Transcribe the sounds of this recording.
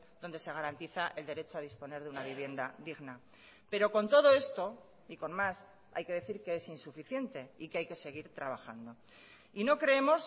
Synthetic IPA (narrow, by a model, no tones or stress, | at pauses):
d̪o̞nd̪e̞se̞ɣ̞aɾant̪iθaʔe̞ld̪e̞ɾe̞t͡ʃo̞að̞ispo̞ne̞ɾðunaβiβ̞je̞nd̪aðiɣna | pe̞ɾo̞ko̞nt̪o̞ðo̞e̞st̪o̞ | iko̞nmas | a̰jke̞ðe̞θiɾke̞esinsufiθje̞nt̪e̞ikeajke̞se̞ɣ̞iɾt̪ɾaβ̞axand̪o̞ | ino̞kɾe̞emo̞s